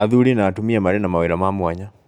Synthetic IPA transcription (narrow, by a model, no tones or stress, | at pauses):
aðuɾinaːtumiamaɾɛnamaweɾɔmamwaɲa